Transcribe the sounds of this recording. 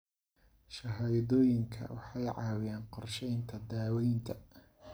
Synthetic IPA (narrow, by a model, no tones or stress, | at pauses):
ʃɐɦaːjðɔːjɪŋkʰɐ̰wɑ̰ħɑjʕɑːwɪjaːnqɔrʃɛjnt̪ʰɐd̪aːwɛjnt̪ʰɐ